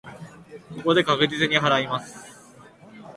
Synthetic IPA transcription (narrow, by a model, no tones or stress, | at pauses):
ko̞ko̞d̪e̞kakɯ̟d͡ʑit͡sɨɲ̟iɦaɾaimasɨ̥